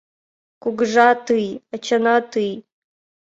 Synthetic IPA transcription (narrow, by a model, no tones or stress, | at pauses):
kʷuɡʐatʰɨjat͡ʃʰanatʰɨj